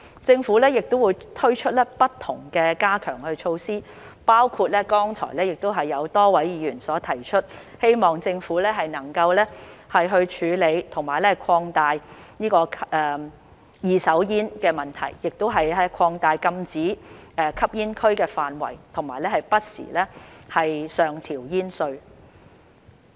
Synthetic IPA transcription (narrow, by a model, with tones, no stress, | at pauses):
t͡sɪ˧ŋfuː˨˥lɛː˥jɪ˨k̚t̪o˥wuː˨˧jt̪ʰɵ˥ɥt͡ʃʰɵ˥t̚lɛː˥pɐ˥tt̪ʰːʊ˨˩ŋkɛː˧kaː˥kʰœː˨˩ŋhɵ˧ɥt͡ʃʰo˧wsiː˥ | paː˥wkʰuː˧t̚lɛː˥kɔː˥ŋt͡sʰɔ̰ː˨˩jlɛː˥jɪ˨k̚t̪o˥wɦɐ˨jːɐ˨˧wt̪ɔː˥wɐ˨˥jjiː˨˧jyː˨˩nsɔː˨˥t̪ʰɐ˨˩jt͡ʃʰɵ˥t̚he˥jmɔː˨ŋt͡sɪ˧ŋfuː˨˥lɛː˥ɦɐ˨jnɐ˨˩ŋkɐ˧wlɛː˥hɐ˨jɦɵ˧ɥt͡ʃʰyː˨˧le˨˧jt̪ʰʊ˨˩ŋmaː˨˩jlɛː˥˨˩kʰwɔː˧ŋt̪aː˨jniː˥kɔː˧kʰʔɛː˨ | jiː˨˧sɐ˨˥wjiː˥nkɛː˧mɐ˨nt̪ʰɐ̰˨˩jːɪ˨k̚t̪o˥wɦɐ˨jɛ˥kʰɔː˧ŋt̪aː˨˧jkɐ˧mt͡siː˨˥ɛː˨˩kʰɐ˥p̚jiː˥nkʰɵ˥ɥkɛː˧faː˨nwɐ̰˨˩jt̪ʰʊ˨˩ŋmaː˨˩jlɛː˥hɐ˨jpɐ˥t̚sḭː˨˩lɛː˥hɐ˨jsœː˨˩ŋt̪ʰiː˨˩wjiː˥nsɵ˧ɥ